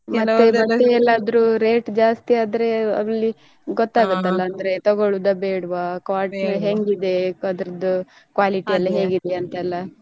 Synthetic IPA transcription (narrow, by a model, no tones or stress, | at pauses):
mɐt̪ːemɐt̪ːeɛlːaːd̪ɐɾuɾeːʈd͡ʒaːst̪iaːd̪ɐɾe̞ɐ̰lːi | ɡot̪ːaːɡɐt̪ːɐlːɐɐnd̪ɐɾe̞t̪ɐɡoɭud̪ɐbeːɽʋakaːɾʈɦeŋɡid̪e̞ɐd̪ɐɾɐd̪u | kʋaːliʈiɐlːɐɦe̞ːɡid̪e̞ɐnt̪ɐɛlːɐ